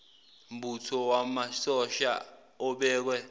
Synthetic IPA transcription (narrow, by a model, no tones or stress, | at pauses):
m̩bʱutʰɔwamasɔʃa̰ | ɔɓɛːk̬wɛ